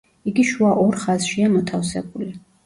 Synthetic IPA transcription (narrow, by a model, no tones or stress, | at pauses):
iɡiʃuaʔɔɾχazʃiamɔt̪ʰafsɛ̰buli